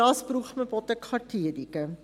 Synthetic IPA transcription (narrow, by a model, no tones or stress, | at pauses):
ɑːspruχmɛpɔtəkχɑtʰiədikə